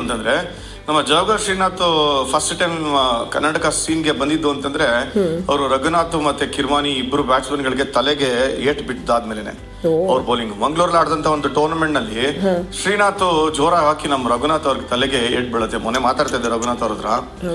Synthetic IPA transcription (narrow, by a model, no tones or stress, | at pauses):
ɐnt̪ɐnd̪ɐɾe̞ | nɐmːɐd͡ʒɐːbɡɐɾʃɾiːnaːt̪upʰɐsʈʈɐjmnɐmːɐkɐ̰nːaʈɐkɐsiːnɡe̞bɐnd̪id̪ːuɐnt̪ɐnd̪ɐɾeɐʋɐɾuɾɐɡunaːt̪umɐt̪ːekiɾmaːniːbːɐɾubjaːt͡ʃbɐnɡɐɭiɡe̞t̪ɐleɡe̞eːʈbiʈd̪aːd̪meːlenḛ | ɐʋɐɾuboːliŋɡumɐŋɡɭuːɾɐlaːɽd̪ɐnt̪ʰɐʋond̪uʈo̞ːɾnɐmeɳʈnɐlːiʃɾiːnaːt̪ud͡ʒoːɾaɦaːkinɐmːɐɾɐɡunaːt̪ɐʋɐɾɡet̪ɐleɡe̞eːʈ̚biɭɐt̪ːemɔnemaːt̪aːɽt̪ajd̪eɾɐɡunaːt̪ɐʋɾɐd̪ɾɐ